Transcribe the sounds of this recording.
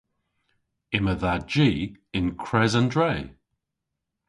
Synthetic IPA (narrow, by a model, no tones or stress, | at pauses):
ɪməðad͡ʒiːɪnkʰɹ̥ɛzəndɹɛj